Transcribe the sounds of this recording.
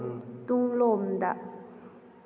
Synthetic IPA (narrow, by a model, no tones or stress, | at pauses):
t̪uŋlomd̪aʔ